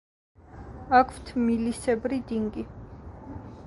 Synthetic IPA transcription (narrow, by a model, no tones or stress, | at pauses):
akʰv̥t̪ʰmilisɛbɾid̪iŋɡi